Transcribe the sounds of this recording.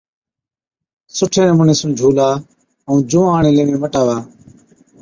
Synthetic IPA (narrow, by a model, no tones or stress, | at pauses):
sʊʈʰeːnəmʊɳẽːsũːd͡ʒʱuːlaː | əũːd͡ʒũːaːɳẽːleːʋẽːməʈaːʋaː